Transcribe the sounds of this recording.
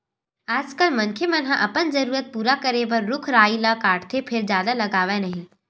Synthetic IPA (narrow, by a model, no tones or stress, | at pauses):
aːd͡ʒkəlmɐnkʰjemɐnɦãʔɐpənd͡ʒɐɾuːɾət̪̚puːɾakəɾeʋəɾːʊkʰɾaːilakaːʈt̪ʰepʰɪɾd͡ʒjaːd̪alɐɡaːʋenɐɦĩ